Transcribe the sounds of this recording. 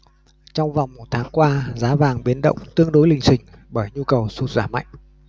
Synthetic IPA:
t͡ɕɔ˧wŋ͡mva˨˩wŋ͡mmo˨˩t̚t̪ʰaː˨˦ŋkwaː˧zaː˨˦vaː˨˩ŋɓi˨˦ənɗə̰˧˨wŋ͡mt̪ɨ˧əŋɗo˨˦jlï˨˩ŋ̟sï˨˩ŋ̟ | ɓəː˧˩jɲu˧kə˨˩wsu˧˩t̚zaː˧˩ma̰˧˨jŋ̟

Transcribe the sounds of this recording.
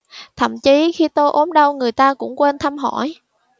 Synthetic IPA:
t̪ʰə̰˧˩mt͡ɕi˨˦xi˧t̪o˧jʔo˨˦mɗə˧wŋɨ˨˩əjt̪aː˧kʊ̰˧˥ŋ͡mkwe˧nt̪ʰaː˧mɦɔ̰˧˩˨j

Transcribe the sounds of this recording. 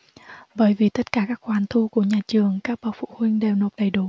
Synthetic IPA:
ɓəː˧˩jvi˨˩t̪ə˦˥t̚kaː˧˩kaː˦˥k̚xwaː˨˩nt̪ʰu˧ku˧˩əɲaː˨˩t͡ɕɨ˨˩əŋkaː˦˥k̚ɓaː˨˩wfṵ˧˨hwï˧ŋ̟ɗe˨˩wno˨˩t̚ɗə˨˩jɗu˧˩˦

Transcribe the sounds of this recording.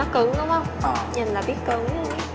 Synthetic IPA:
ɔ˨˦kɨ˧˩˦ŋɗə˨˦wŋ͡mhə˧wŋ͡mɲɨ˨˩nlaː˨˩ɓi˦˥t̚kɨ̰˧˩˦ŋ

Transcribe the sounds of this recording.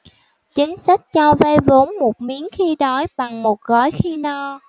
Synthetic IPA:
t͡ɕi˨˦ŋ̟sa˦˥k̟̚t͡ɕɔ˧ve˧vo˨˦nmo˨˩t̚mi˨˦ənxi˧ɗɔ˨˦jɓa˨˩ŋmo˨˩t̚ɣɔ˨˦jxi˧nɔ˧

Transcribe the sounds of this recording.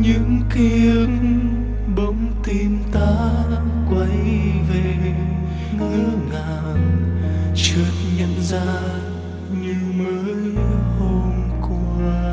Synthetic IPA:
ɲɨ̰˧˥ŋki˧˦əŋ | ɓə˨˦ŋ͡mt̪i˧mt̪aː˧˦ | kwə˨˦jve˨˩ | ŋɨ̰˧˥əŋaː˨˩ | n | t͡ɕə˨˩t̚ɲə̰˧˨nzaː˧ | ɲɨ˧məː˨˦jho˧nku˧˩

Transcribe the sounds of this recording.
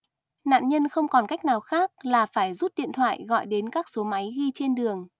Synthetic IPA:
na̰ː˧˨nɲə˧nxə˧wŋ͡mkɔ˨˩nka˦˥jk̟̚naː˨˩wxaː˦˥k̚laː˨˩faː˧˩jzu˦˥t̚ɗḭ˧˨ənt̪ʰwa̰ː˧˨jɣɔ̰˧˨jɗe˨˦nkaː˦˥k̚so˨˦ma˨˦jɣi˧t͡ɕe˧nɗɨ˨˩əŋ

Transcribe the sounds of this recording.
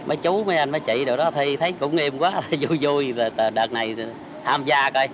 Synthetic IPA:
məː˨˦jt͡ɕu˨˦wməː˨˦jʔa˧jnməː˨˦jt͡ɕḭ˧˨ɗɨ˨˩ək̚ɗɔ˨˦t̪ʰi˧jt̪ʰə˨˦jkʊ̰˧˥ŋ͡mʔe˧mkwaː˨˦t̪ʰə˨˧˩jzu˧˩jzu˧jəː˨˩t̪əː˨˩ɗəː˨˩t̚na˨˩j | t̪ʰaː˧mzaː˧kə˧j

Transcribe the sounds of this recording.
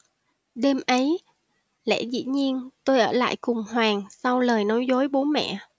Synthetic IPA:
ɗe˧mʔə˨˦j | lɛ̰˧˥zḭ˧˥ɲi˧ənt̪o˧jʔəː˧˩la̰ː˧˨jkʊ˨˩ŋ͡mhwaː˨˩ŋsa˧wləː˨˩jnɔ˨˦jzo˨˦jɓo˨˦nmɛ̰˧˨

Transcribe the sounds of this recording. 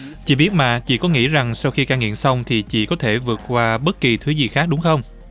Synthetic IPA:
t͡ɕḭ˧˨ɓi˦˥ət̚maː˧˨˩t͡ɕḭ˧˨kɔ˨˦ŋḭ˧˥za˨˩ŋsa˧wxi˧kaː˧ŋḭ˧˨ənsa˧wŋ͡mt̪ʰi˨˩t͡ɕḭ˧˨kɔ˨˦t̪ʰe˧˩vɨ˨˩ət̚kwaː˧ɓə˦˥t̚ki˨˩t̪ʰɨ˨˦zi˨˩xaː˦˥k̚ɗʊ˨˦ŋ͡mxə˧wŋ͡m

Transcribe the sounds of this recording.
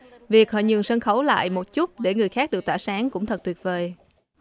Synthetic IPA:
vi˨˩ək̚hɔ̰˧˨˩ɲɨ̰˨əŋsə˧nxə˧˦wla̰ː˧˨jmo˨˩t̚t͡ɕu˦˥t̚ɗe˧˩ŋɨ˨˩əjxaː˦˥k̚ɗɨ˨˩ək̚t̪waː˧˩saː˨˦ŋkʊ̰˧˥ŋ͡mt̪ʰə˨˩t̚t̪wi˨˩t̚veː˨˩j

